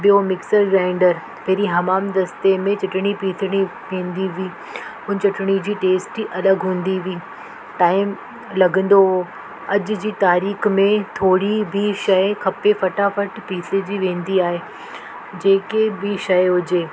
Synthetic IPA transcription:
bijomɪksəɾɡaːɪ̃ɳɖəɾ | p̪ɐɦɾiɦɐmaːmd̪ɐst̪emẽt͡ɕɪʈɪɽ̃ipiːt̪ʰɽ̃iʋẽːn̆d̪iʋiː | ʊn̆t͡ɕɪʈʰɪɽ̃id͡ʑiːʈeːsʈiʔɐləɡɦũːnd̪iʋiː | ʈaːɪm | lɐɡə̃nd̪o | ɐd͡ʑʊd͡ʑiːt̪aːɾiːxmẽt̪ʰoːɽibʱiʃɐkʰɐpefɐʈafɐʈpiːt̪ʰed͡ʑiʋẽːnd̪iaːɦe | d͡ʑeːkebɪʃɐjɦʊd͡ʑeː

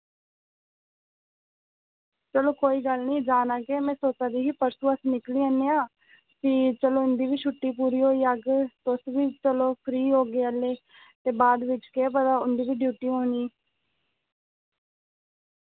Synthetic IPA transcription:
t͡ʃəloːkoːiːɡəlnĩːd͡ʒaːnaːkeːmɛ̃ːsoːt͡ʃãːd̪iːɦiːpəɾsũːəsnɪkliːəneːãː | siːt͡ʃəloːʊnd̪iːʋiːt͡ʃʰʊʈːiːpuːɾiːɦoːiːəɡt̪ʊsʋiːt͡ʃəloːpʰɾiːɦoːɡeːəlːeː | t̪eːbaːd̪ʋɪt͡ʃkeːpəd̪aːʊnd̪iːʋiːɖjuːʈiːɦoːniː

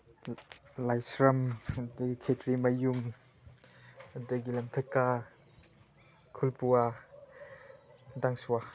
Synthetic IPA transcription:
lajsɾɐmdɐɡikʰetɾimajuŋ | ɐdaɡilɐmtʰɐkːa | kʰulpua | daŋsua

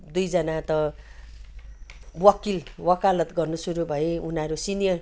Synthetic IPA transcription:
d̪ujd͡zʌnat̪ʌ | wʌkilwʌkalʌt̪ɡʌrnusuɾubʱʌjeunaɾusinijʌr

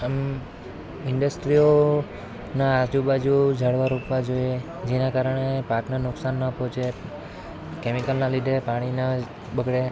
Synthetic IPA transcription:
əm | ɪɳɖəsʈɾio | naːd͡ʒubad͡ʒud͡ʒʱəɽʋaɾupʋad͡ʒoje | d͡ʒenakaɾəɽ̃epaknanʊksanːəpɔ̃t͡ʃʰe | kemikəlnãlid̪ʱepaɽ̃ina | bəɡɽe

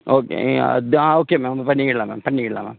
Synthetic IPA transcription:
oːkḛd̪aːoːkːeːmaːmpɐnːikiʈɭaːma̰ːmpɐnːikːiʈɭa̰ːma̰ːm

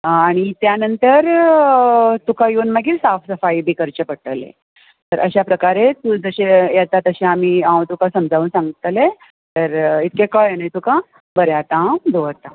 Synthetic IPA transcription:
aɽ̃it̪janənt̪əɾ | t̪ukajonməɡiːɾsafsəfaibʱiːkəɾt͡ɕəpəɽʈəlḛ | t̪əɾʔəɕapɾəkaɾet̪ud͡zəɕejat̪at̪əɕẽamiːãwt̪ukãsəmd͡zʱaʋuːnsãŋɡit̪le | t̪əɾit̪̚kekəjnajt̪ukã | bəɾjat̪ãd̪oɾt̪a

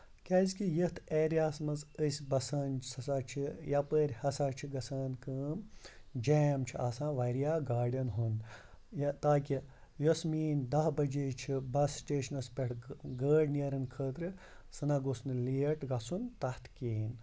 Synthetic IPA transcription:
kʲaːzʲkijət̪ʰeːɾjaːsmɐzəsʲbɐsɐːnt͡ʃsɐsat͡ʃʰijapəːɾʲhɐsaːt͡ʃʰiɡɐsaːnkəːmd͡ʒeːmt͡ʃʰiʔasãːʋɐɾijaːɡaːɖʲɐnɦun | jt̪aːkʲi | josmiːnd̪ɐɦbɐd͡ʒeːt͡ʃʰibɐsːʈeːʃɐnɐspʲeʈʰɡəːɖniɐɾɨnkʰəːt̪ɾɨ | sɨnaɡosnliːʈɡɐsunt̪ɐht̪ʰkiːn

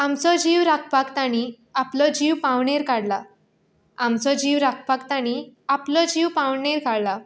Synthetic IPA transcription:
amt͡sɔd͡ʑiʋɾak̚ʰpakt̪aɽ̃i | aplɔd͡ʑiwpawɳeɾkaɽla | amt͡sɔd͡ʑiʋɾak̚ʰpakt̪aɽ̃iaplɔd͡ʑiwpawɳeɾkaɽla

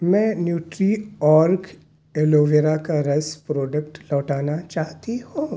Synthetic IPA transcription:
mɛ̃ːnjuːʈɾiɔːɾk | eːloːʋeɾakaɾɐspɾɔːɖəkʈlɔːʈaːnat͡ʃaːɦt̪ihõː

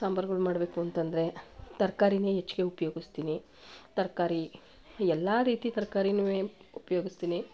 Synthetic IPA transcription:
saːmbɐɾɡɐɭumaːɽbe̞ːkuɐnt̪ɐnd̪ɐɾe̞t̪ɐɾkaːɾineːet͡ʃːiɡe̞upɐjoːɡist̪iːni | t̪ɐɾkaːɾi | ɛlːaːɾiːt̪it̪ɐɾkaːɾinʋeːupɐjoːɡist̪iːni

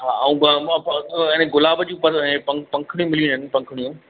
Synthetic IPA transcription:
ɦaːɐũː | ɛ̃ːnɡʊlaːbəd͡ʑũːpɐ̃pɐ̃pɐ̃ŋkʰɽ̃jũmɪliũnənɪpɐ̃ŋkʰəɽijũ

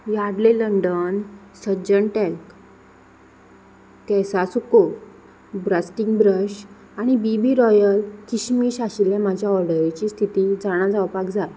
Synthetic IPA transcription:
jaɽleləɳɖən | səɾd͡ʑəɳʈɛk | kɛsasuko | bɾasʈĩŋɡbɾəɕ | aɽ̃ibibiːɾɔjəlkiɕmiɕaɕilːjamad͡ʑʱjaɔɾɖəɾet͡ɕiːst̪ʰit̪id͡zaɽ̃ad͡zaʋpakd͡zat̪

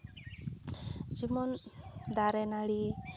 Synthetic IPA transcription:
d͡ʒimɔnd̪aɾɛnaɽi

